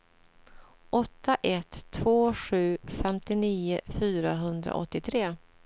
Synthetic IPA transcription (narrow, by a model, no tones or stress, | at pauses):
ʔɔt̪ʰːaʔɛt̪ʰːvoːɧʉ̟ːfɛmt̪ɪniːəfyːɾaɦɵnd̪ɾa̰ʔɔ̰t̪ːɪt̪ʰɾeː